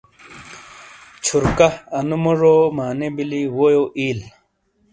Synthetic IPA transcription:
t͡ɕʰuɾkaɐnumoʐoːmaːnebiliwojoʔiːl

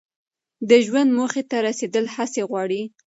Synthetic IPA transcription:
d̪əʒwand̪moxet̪aɾased̪əlhaseɣwɑɽi

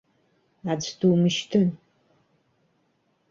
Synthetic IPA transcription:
ad͡zʰtʰuːmɨʃtʰɨn

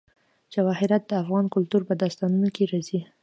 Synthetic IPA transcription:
d͡ʒawɑhɪɾat̪̚d̪əafɣɑnkʊlt̪uɾpəd̪ɑst̪ɑnunokeɾɑzi

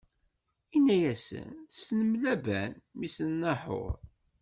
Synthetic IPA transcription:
inːæjæsə̰nsnəmlæbænmisənːɑħʊ̰ɾˤ

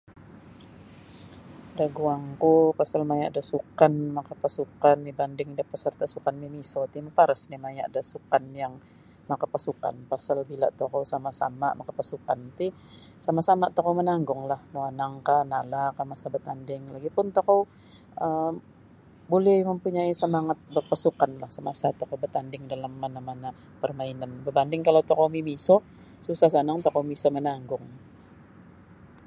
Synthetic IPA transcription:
daɡuaŋkupasalmaja̰ʔdasukanmakapasukanmibandɪŋdahpəsərt̪asukanmimisɔt̪iməpaɾasnimajaʔdasukanjaŋ | makapasuka̰npasalbila̰ʔt̪okawsamasa̰mamakapasukant̪i | samasamat̪ɔkawmənaŋɡʊŋlahloanaŋkahnalakamasabət̪andɪŋlaɡipʊnt̪okow | ʔə | bolɛhməmpuɲaisəmaŋat̪̚bərpasukanlahsəmasat̪okowbərt̪andɪŋdalamːanamana | pərmainanbəbandɪŋkalawt̪okowmimisɔ | susahs̬anaŋt̪okowmisamənaŋɡʊŋ

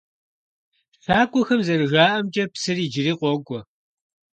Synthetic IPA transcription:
ɬaːkʷʼɔxɐmzɐrɨʒaːʔɐmt͡ʃʼɐpsɨriːd͡ʒɪriːqʷɔɡʷʼɔ

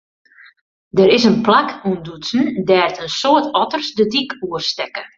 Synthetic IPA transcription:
dəɾɪsənplakʰundusn̩dɛːrtənsoətʰɔtərsdədikuərstɛkə

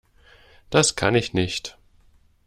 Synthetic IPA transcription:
d̥askʰanɪçnɪçt

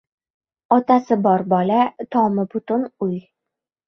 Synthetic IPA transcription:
ɒt̪asɘbɒɾbɒlat̪ɒmɤbʊt̪ʊnuj

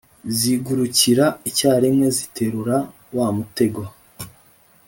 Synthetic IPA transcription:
ziɡuɾuciɾaicaːɾimŋe̞zitʰe̞ɾuɾa | waːmute̞ɡwa

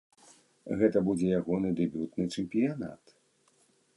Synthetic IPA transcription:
ɣɛt̪ɐbud͡zʲɛjaɣɔnɨd̪ɨbʲut̪nɨt͡ʂɛmpʲijana̰t̪

